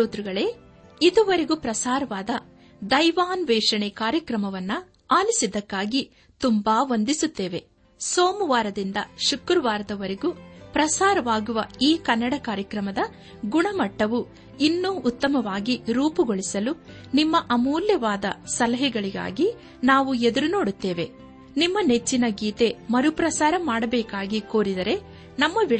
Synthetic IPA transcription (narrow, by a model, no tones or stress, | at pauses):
oːt̪ɾuɡɐɭeː | id̪uʋɐɾeɡupɾɐsaːɾɐʋaːd̪ɐ | d̪ɐjʋaːnʋɛːʂɐɳɛkaːɾjɐkɾɐmɐʋɐnːu | aːlisid̪ɐkːaːɡi | t̪umbaːʋond̪isut̪ːe̞ːʋe̞ | soːmuʋaːɾɐd̪ind̪ɐʃukɾɐʋaːɾɐd̪ɐʋɐɾeɡupɾɐsaːɾɐʋaːɡuʋɐiːkɐnːɐɽɐkaːɾjɐkɾɐmɐd̪ɐ | ɡuɳɐmɐʈːɐʋu | inːuːʔːt̪ːɐmɐʋaːɡiɾuːpuɡoɭisɐlu | nimːɐʔɐmuːljɐʋaːd̪ɐ̰sɐlɐɦɛɡɐɭiɡa̰ːɡi | naːʋued̪ɐɾuno̞ːɽut̪ːe̞ːʋe̞ | nimːɐne̞t͡ʃːinɐɡiːt̪e̞mɐɾupɾɐsaːɾɐmaːɽɐbɛːkaːɡiko̞ːɾid̪ɐɾe̞ | nɐmːɐʋi